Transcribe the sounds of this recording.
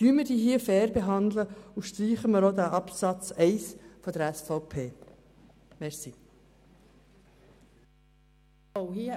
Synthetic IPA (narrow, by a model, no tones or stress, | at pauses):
yːməɾd̥iːɦiːəfɛːɾbeɦɑnd̪ləuʃtɾiːχəməɾod̪æʔɑpsɑt͡sɛɪsfɔd̪əɾɛsfɑʊpʰeː | mɛɾsi | ohiə